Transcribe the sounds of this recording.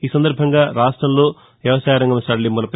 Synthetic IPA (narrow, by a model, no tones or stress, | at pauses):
iːsɐnd̪ɐɾbʱɐŋɡaːɾaːʂʈɾɐmloː | ʋjɐʋɐsaːjaɾɐŋɡɐmɐsɐɽɐlimulɐp